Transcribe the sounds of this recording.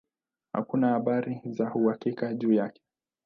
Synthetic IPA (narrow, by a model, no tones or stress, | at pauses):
ha̰kunahaɓaɾizahuhakikaʄuːjakɛ̥